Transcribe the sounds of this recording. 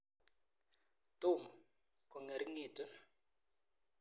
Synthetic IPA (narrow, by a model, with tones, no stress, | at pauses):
tuː˦˨mɔ˨ | kɔ˨ŋe˨ɾi˦ŋiː˨tʼɔ˦n